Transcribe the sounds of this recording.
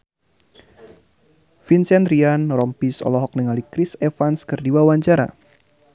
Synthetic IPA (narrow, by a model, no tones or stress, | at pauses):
finsɛnd̪ɾianrɔmpisɔ̰lɔɦɔk̚nəŋalikɾisefanskɨrdiwawaɲt͡ʃaɾa̰